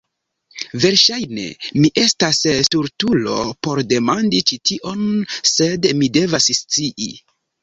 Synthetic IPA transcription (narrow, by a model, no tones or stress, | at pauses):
ve̞ɾʃajne̞̰miʔe̞stasuɾtulo̞̰po̞ɾde̞mandit͡ʃitiʔo̞nse̞dmide̞vasst͡siʔḭ